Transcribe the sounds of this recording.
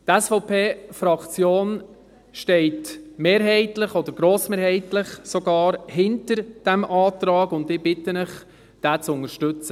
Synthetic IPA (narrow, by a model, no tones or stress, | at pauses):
tɛsfɔʊpʰeːfɾɑkt͡sjoːn | ʃtɛɪtmeːɾɦɛɪtlɪχɔdəɾɡ̥ɾoːsmeːɾhɛɪtlɪχsɔɡɑːɾhɪntəɾd̥æmʔɑːtɾɑːɡʊndɪb̥ɪtənəχ | d̥æːt͡sʊŋəɾʃtʏt͡sə